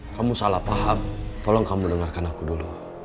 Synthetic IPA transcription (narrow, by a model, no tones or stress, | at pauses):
kamusalahpaɦam̚t̪ɔlɔŋkamudəŋarkanakudulu